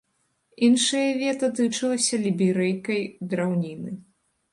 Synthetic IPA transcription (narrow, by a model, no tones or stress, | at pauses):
inʂɐjɐvʲɛt̪ɐt̪ɨt͡ʂɨlˠɐsʲɐlʲibʲiɾɛjkɐjd̪ɾawnʲinɨ